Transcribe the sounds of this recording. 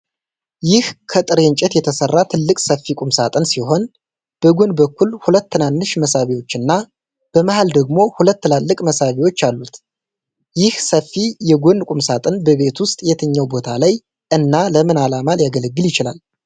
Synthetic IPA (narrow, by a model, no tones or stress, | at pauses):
jɪhkʰət̪ʼɨɾeɲt͡ʃʼɛt̪jɛt̪ʰəsərːat̪ʰɨlːɨkʼsəfːikʼumsat̪ʼɨnsiɦo̞n | b̥əɡonbəkːulhulət̪ːɨnanːɨʃməsaβiwo̞t͡ʃːɨnːa | b̥əmahald̪əɡmo̞hulət̪ːɨlalːɨkʼməsaβiwo̞t͡ʃːalːut̪ | jɪhsəfːijɛɡonkʼumsat̪ʼɨnbəβe̞t̪wʊst̪ʼjɛt̪ʰəɲːawbo̞t̪ʰalaj | ʔɨnːaləmɨnalamaljaɡələɡːɨljɪt͡ʃɪla̰l